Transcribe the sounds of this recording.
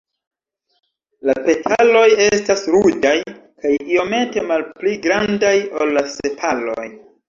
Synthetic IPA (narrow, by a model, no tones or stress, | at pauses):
lape̞tʰalo̞je̞stasɾud͡ʒajkajio̞me̞te̞malpliɡɾandajolːase̞pʰalo̞̰j